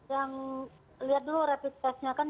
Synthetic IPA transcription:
jaŋ | liɦat̪̚duloɾapid̪it̪asɲakan

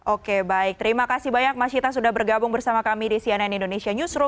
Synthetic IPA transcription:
ʔokebaɪk̚t̪əɾimakasibaɲak̚masit̪as̬udahbərɡabʊŋbərsamakamidisiɛnɛnindonesiaɲusɾu

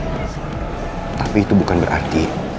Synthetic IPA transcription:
t̪apiːt̪ubukanbəɾʔa̰rt̪i

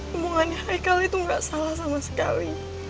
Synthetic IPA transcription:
umuŋanahajkalit̪uŋɡaʔsalahs̬amasə̥ka̰li

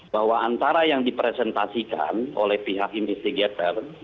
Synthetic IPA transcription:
baɦwaant̪aɾajaŋdipɾɛsɛnt̪asika̰no̰lɛhpiɦakinfɛst̪iɡat̪ər

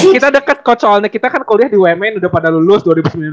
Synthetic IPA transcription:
kit̪adəkət̪̚kɔt͡ʃɔalɲakit̪akankoliahdiwɛmɛnudapadalulʊsduaɾibusəmbiln

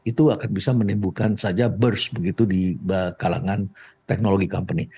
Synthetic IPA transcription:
it̪uakanbisamənimbukansad͡ʒabərsbəɡit̪udiəkala̰ŋant̪ɛk̚noloɡikɔmpəni

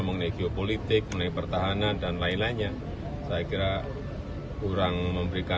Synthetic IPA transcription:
məŋnaɡiopolit̪ɪk̚munaipərt̪aɦanandanlaɪnlaɲa | sajakiɾa | kuɾaŋməmbəɾika

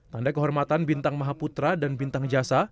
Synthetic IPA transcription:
t̪andakəɦɔrmat̪anbint̪aŋmaɦaput̪ɾadanbint̪aŋd͡ʒasa

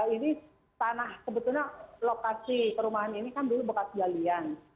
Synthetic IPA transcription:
ini | t̪anahkəbət̪ulɲalokasikəɾumaɦaninikandulubəkat̪̚ɡalian

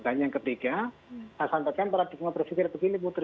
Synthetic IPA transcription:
t̪aɲaŋkət̪ika | asant̪akanpaɾat̪ikəmabərfikɪɾpəɡinibut̪əɾ

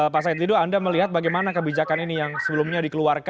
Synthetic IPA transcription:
pas̬ait̪iduandaməliɦat̪̚baɡajmanakəbid͡ʒakaninijaŋsəbəlʊmɲadikəluarka

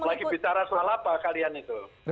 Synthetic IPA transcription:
laɡibit͡ʃaɾasalapakalianit̪u

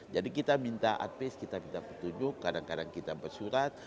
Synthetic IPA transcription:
d͡ʒadikit̪amint̪aʔa̰t̪̚peskit̪amint̪apət̪uɲd͡ʒʊkːadaŋkadaŋkit̪abərsuɾat̪̚

